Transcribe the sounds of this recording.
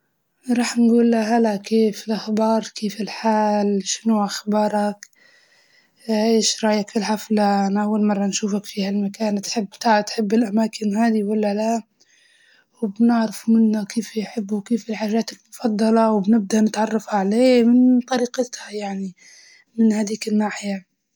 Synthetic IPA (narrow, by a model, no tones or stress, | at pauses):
ɾˤɑːħnɡuːlːaɦalakeːfɪlʔaxbɑːɾˤkeːfɪlħaːlʃɪnuʔaxbɑːɾˤɑk | ʔeːʃɾˤɑːjakfilħaflaʔanaʔawːalmɑrˤːɑnʃuːfakfihalmakaːnt̪ħɪbːt̪aʕat̪ħɪbːɪlʔamaːkɪnɦaːd̪iwalːala | wɪbnɪʕɾɪfmɪnːakeːfjħɪbːukeːfɪlħaːʒːaːt̪ɪlmʊfɑd̪ˤːɑlɑwbnɪb̚d̪anɪt̪ʕɑrˤːɑfhaʕaleːmɪnt̪ˤɑɾiːqɪt̪hajaʕni | mɪnhad̪iːkɪnːaːħɪja